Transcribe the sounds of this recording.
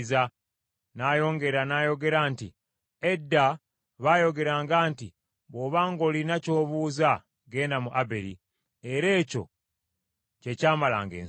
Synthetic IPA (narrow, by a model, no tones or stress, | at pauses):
za | najo̞ːŋɡe̞ɾanajo̞ɡe̞ɾaːnti | edːa | βajo̞ɡe̞ɾaːŋɡaːnti | βoːβaːŋɡo̞linaco̞ːβuːza | ɡe̞ːndamuʔabeɾḭ | eɾe̞ːco̞̰ | ce̞caːmala̰ːŋɡḛː